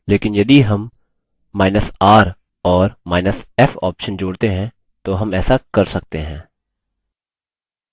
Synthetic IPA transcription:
leːkɪnjɐd̪iɦɐmː | aːɪnəsaːɾ | ɔːɾmaːɪnəsɛfɔ̰ːpʃənd͡ʒoːɽt̪eɦɛ̃ | t̪oɦɐmɛːsakɐɾsɐk̚t̪eɦɛ̃ː

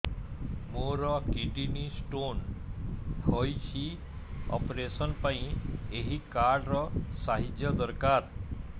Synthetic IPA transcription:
moɾɔkiɖinisʈon | hɔjt͡ɕi | ɔ̰pɾesɔnpaĩeɦikaɾɖɾɔsaɦid͡ʒjəd̪əɾkaɾ

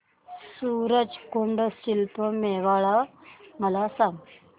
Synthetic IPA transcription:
suːɾəd͡ʑkoɳɖəsɕilpəmeʋaɭaməlasaŋ

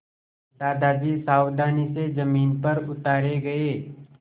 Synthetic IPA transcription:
d̪aːd̪ʱaːd͡ʒisaːwd̪ʱaːnised͡ʒɐmiːnpɐɾʊt̪aːɾeɡɐeː

